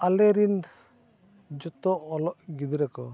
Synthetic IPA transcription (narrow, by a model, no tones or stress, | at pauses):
alɛɾin | d͡ʒɔt̪ɔɔlɔʔɡid̪iɾɛkɔ